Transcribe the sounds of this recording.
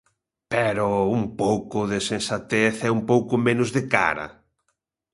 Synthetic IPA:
pɛɾoumpowkʊðesẽnsat̪eθɛumpowkʊmenʊzðɪka̰ɾɐ̰

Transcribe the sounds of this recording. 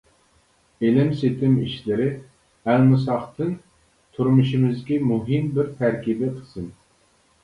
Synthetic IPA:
elɪmset̪ʰɪmiʃlɪɾɪ | ælmɨsɑχt̪ʰɨn | t̪ʰuɾmuʃimɪzɡʲɛmuɦɨmbɪɾt̪ʰæɾkʲibɪqʰə̥sɨn

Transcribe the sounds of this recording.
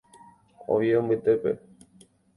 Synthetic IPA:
o̰ʋjeõmbɨt̪e̞pe̞̰

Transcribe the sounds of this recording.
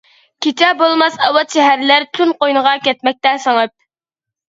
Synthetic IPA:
kʲʰet͡ʃʰɛbolˠmɑsɑwɑt̪ʃɛɦæɾlæɾt̪ʰunqojnəʁɑkʲɛt̪mɛk̚ʲt̪ɛsəŋɨp̚

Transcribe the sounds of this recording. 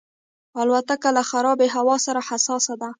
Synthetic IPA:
alwat̪akalaxaɾɑbeɦawɑsaɾahasɑsad̪a

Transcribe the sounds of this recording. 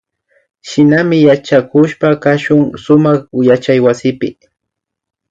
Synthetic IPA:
ʃɪnamɪjat͡ʃakʊʃpakaʃʊŋsʊmaχʊjat͡ʃajwasɪpɪ̰

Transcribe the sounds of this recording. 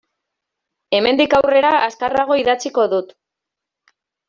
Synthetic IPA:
e̞me̞nd̪ikawre̞ɾaʔaskaraɣ̞o̞iðat͡siko̞ðut̪

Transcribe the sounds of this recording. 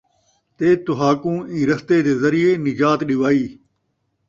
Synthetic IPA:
t̪eːt̪ʊɦaːkũːiːɾəst̪eːd̪eːzəɾɪjeːnɪd͡ʒaːt̪ɗɪʋaːiː

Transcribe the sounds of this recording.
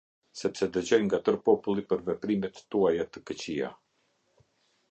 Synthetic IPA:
sɛpsɛd̪əd͡ʑɔjŋɡat̪əɾpɔpulˠipəɾvɛpɾimɛt̪ːuajat̪əkət͡ɕia̰

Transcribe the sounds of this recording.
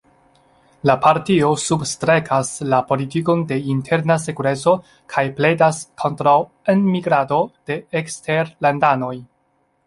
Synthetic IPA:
lapaɾtio̞substɾe̞kʰaslapo̞litiko̞nde̞intʰe̞ɾnasekuɾe̞t͡so̞ | kʰajple̞daskʰo̞ntɾaw | enmiɡɾado̞d̥e̞ekste̞ɾlandano̞j

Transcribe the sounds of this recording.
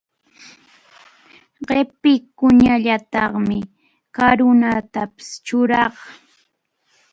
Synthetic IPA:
ɢepɪkʊɲaʎat̪ɑχmɪ | kaɾʊnat̪apɪ̥st͡ʃʊɾɑχ

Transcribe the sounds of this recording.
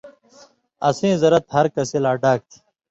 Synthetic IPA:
ɐ̰sĩːzɐɾɐt̪hɐɾkɐsilaːɖaːk̚t̪ʰi̥

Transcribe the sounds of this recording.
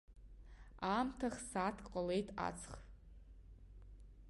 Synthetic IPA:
amtʰaχsaːtʰqʼale̞jtʰʼa̰t͡sʰχ

